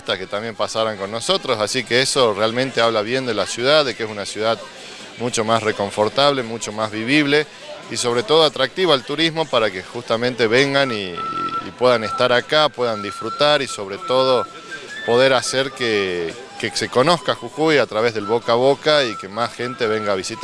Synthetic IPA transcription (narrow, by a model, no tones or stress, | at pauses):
st̪asket̪ambjempasaɾaŋko̞nːo̞so̞t̪ɾosasikeeso̞realmẽnt̪eaβlaβ̞je̞nd̪e̞lasjuð̞aððːekees̬unasjuðað | mut͡ʃomasreko̞ɱfo̞ɾt̪aβle̞mut͡ʃomazβiβiβle̞ | iso̞βɾet̪o̞ð̞oat̪ɾak̚t̪iβoalt̪uɾizmo̞paɾakexust̪amẽnt̪e̞βeŋɡanḭːpwe̞ðanest̪aɾakapwe̞ðand̪isfɾut̪aɾiso̞βɾet̪o̞ðo̞ | po̞ðe̞ɾaseɾke | keseko̞no̞skaxukujat̪ɾaβe̞zðe̞lβokaβo̞kaikemasxent̪e̞βe̞ŋɡaːβisit̪